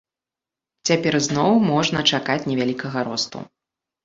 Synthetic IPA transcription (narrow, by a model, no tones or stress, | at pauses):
t͡sʲapʲɛrznɔwmɔʐnɐt͡ʂakat͡sʲnʲɛvʲalʲikɐɣɐɾɔst̪ṵ